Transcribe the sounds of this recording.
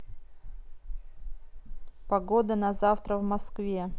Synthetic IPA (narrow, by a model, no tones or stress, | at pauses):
pɐɡod̪ənɐzaft̪ɾəvmɐskvʲe̞